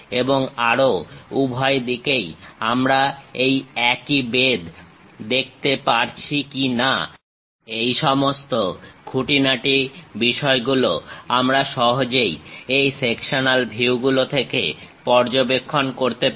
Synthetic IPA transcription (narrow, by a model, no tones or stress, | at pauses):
eboŋaɾoubʱɔed̪ikejamɾaejɛkibed̪d̪ek̚ʰt̪epaɾt͡ɕʰikina̰ | ejʃɔmost̪okʰuʈinaʈibiʃɔeɡuloamɾaʃɔɦod͡ʑejejsekʃonalbʱiuɡulot̪ʰekḛpɔɾd͡ʑobekʰːonkoɾt̪e